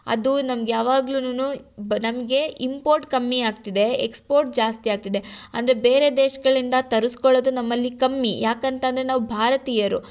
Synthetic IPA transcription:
ɐ̰d̪unɐmɐɡejaːʋaːɡlunununɐmɐɡe̞ʔimpoːɾʈkɐmːiaːɡ̚t̪id̪e̞ḛkspo̞ːɾʈ̚d͡ʒaːst̪ijaːɡ̚t̪id̪e̞ɐ̰nd̪ɐɾebeːɾe̞d̪eːʃɐɡɐɭind̪ɐt̪ɐɾuskɔɭod̪unɐmːɐlːikɐmːijʔaːkɐnt̪ɐnd̪ɐɾenaːʋubʱaːɾɐt̪iːjɐɾṵ

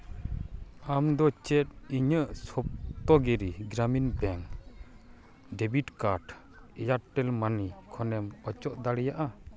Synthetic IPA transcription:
amd̪ɔt͡ʃɛt̚iɲəʔsɔp̚t̪ɔɡɛɾiɡɾaminbɛŋ | ɖɛbiʈkaɾɖ | ɛjaɾʈɛlmanikʰɔnɛmɔt͡ʃɔʔd̪aɽijaʔa

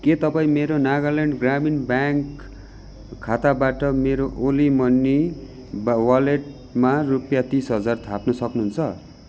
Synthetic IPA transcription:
ket̪ʌpaĩmeɾonaɡʌleɳɖɡraminbjaŋkʰ | at̪abaʈʌmeɾoʔolimʌnːi | bwaleʈ | marupjat̪isɦʌd͡zart̪ʰapnʌsʌknuɦunt͡sʰʌ

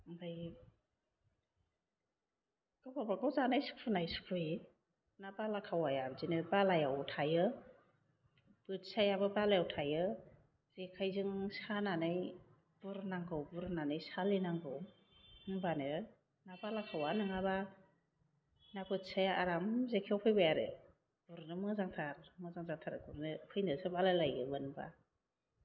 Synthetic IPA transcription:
baj | ɡ̥ɯbabaɡɯwzanajsu̥kʰunajsu̥kʰui | nabalakʰawajabzinɯbalajawtʰajɯ | bɯt̚sajabɯbalajawtʰajɯ | z̥ikʰajzɯŋsananɯj | b̥uɾnaŋɡɯwbuɾnanɯjsalinaŋɡɯw | banɯ | nabalakʰawanɯŋaba | nakɯtsajaʔaɾamzekʰawpʰɯjbajaɾɯ̰ | b̥uɾnɯmɯzaŋtʰaɾmɯzaŋzaŋtʰaɾɯɡuɾnɯpʰɯjnɯsɯbalajlajɡɯbɯnba̰

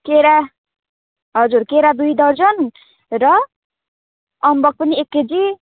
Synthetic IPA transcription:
keɾa | ɦʌd͡zurkeɾad̪ujd̪ʌrd͡zʌn | rʌ | ʌmbʌk̚pʌniekːed͡zi

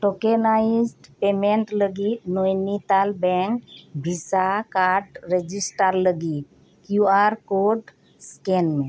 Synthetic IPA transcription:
ʈokenaizɖpemeɳʈləɡit̪nojnit̪albɛŋkbʱisakaɾʈɾed͡ʒisʈaɾləɡi | kjuaɾkoɖ | skɛnmẽ

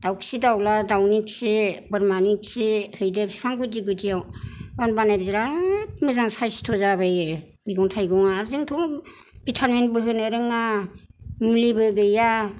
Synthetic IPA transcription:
d̥awkʰsidawladawniksibɯɾmaniksihɯjdepsi̥pʰaŋɡudiɡɯdiawawnbanajb̚ziɾamɯzaŋsajsi̥tʰɔzaβaj | biɡɔŋtʰajɡɔŋaːɾzɯŋtʰɔ | bitʰanmenbɯɦɯnɯɾɯŋa | mulibɯɡɯja

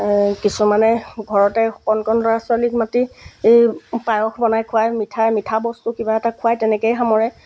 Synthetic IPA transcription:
kisumanɛɡʱɔɹɔtɛxɔkɔnkɔnɔasalikmatiejpajɔxʰbɔnajkʰʊajmitʰajmitʰabɔstukibaɛtakʰʊajtɛnɛkejxamɔɹɛ

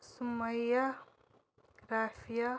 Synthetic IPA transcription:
sumːɐja | ɾaːfija

